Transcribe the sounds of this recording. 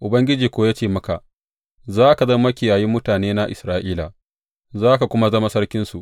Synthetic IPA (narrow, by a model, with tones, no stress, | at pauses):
ʔʊ˨bɐ˦ŋɡʲɪ˦d͡ʒiː˨kʷoː˦jaː˦t͡ʃeː˦˨mɐ˦ka˨ʔ | zaː˦ka˨zɐ˦mːɐ˦kʲɪ˨jaː˨ji˦mːʊ˦taː˨neː˦na˦ʔɪ˨sɾaː˦ʔiː˦la˨ | zaː˦ka˨kʷʊ˦ma˦zɐ˦ma˦sɐ˦rkʲɪ˦nsu˨ʔ